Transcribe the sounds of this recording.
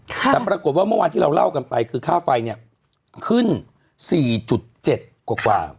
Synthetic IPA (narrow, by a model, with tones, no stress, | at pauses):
kʰt̪ɛː˨˩pɾaː˧ko˨˩t̪̚waː˥˩mɯ˥˩waː˧t̪ʰiː˥˩ɾa˧wla̰˥˩wka˧npa˧jkʰɯː˧kʰaː˥˩fa˧jni˥˩ə | kʰɯ˥˩n | siː˨˩t͡ɕu˨˩t̪̚t͡ɕe˨˩t̪̚kwaː˨˩˦kwa̰ː˧